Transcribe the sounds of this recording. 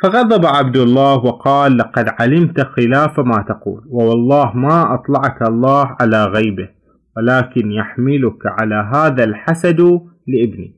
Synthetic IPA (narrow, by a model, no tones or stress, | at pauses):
fɑɣɑðˤɑbʕabd̪ʊlˤːɑːhwɑqɑːlːɑqɑd̪ʕalɪmt̪axɪlaːfamaːt̪ɑqṵːlwɪwɑlˤːɑːhmaʔɑt̪ˤlɑʕkɑlˤːɑːhʕalaɣajbɪ | wɪlaːkɪnjaħmɪlʊkʕalaɦaːðalħasad̪ | lɪʔɪbnḭ